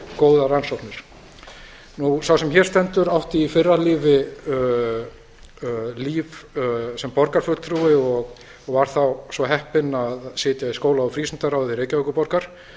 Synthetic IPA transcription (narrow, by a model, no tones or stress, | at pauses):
koːwðaɾansɔknɪɾ̥ | nusawsɛmçɛɾ̥st̪ɛnt̪ʏɾawht̪iːfɪrːalɪːvɪ | liːvsɛmpɔɾkaɾ̥fʏlt̪ʰɾuːɪɔɣ | ɔɣvaɾ̥θawsvɔɦɛhpɪnaðsɪːt̪jaiskoːwlaawfɾiːsʏnt̪aɾawðɪreːjcavœkʏpɔɾkaɾ̥